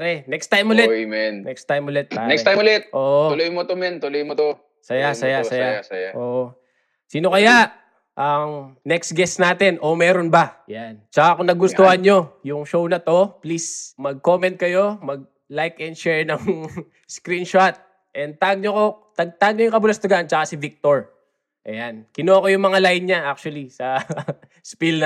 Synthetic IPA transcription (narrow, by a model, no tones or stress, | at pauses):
ɾɛnɛkst̪ajmʊlɛmɛnnɛkst̪ajmʊlɛt̪̚anɛkt̪ːajmʊlɛt̪̚ʔoːʔoʊlojmot̪omɛnt̪ʊlojmot̪o | sɐjasɐjasɐjaaɐjaʔoːʔo | siːno̞kɐjaʔ | ʔɐŋnɛksɡɛsnaːt̪ɛnʔo̞mɛːɾonbɐjant͡ʃɐkakʊŋnɐɡʊsohɐnɲo̞jʊŋʃo̞wnɐt̪o̞plismɐɡ̚ko̞mɛnt̪̚kɐjo̞mɐɡ̚ | lajkɛnd̪ʃɛɹnɐŋ | skɾinʃot̪̚ | ʔɛnd̪̚t̪aɡ̚ɲokot̪ɐɡ̚t̪aɡ̚ɲojʊŋkɐbʊlɐst̪ɐɡant͡ʃɐkasɪvik̚t̪oɹ | ʔɐ̰jankɪnoʔɐko̞jʊŋmɐŋalajnɲaʔak̚t͡ʃʊɐlisɐ | spiln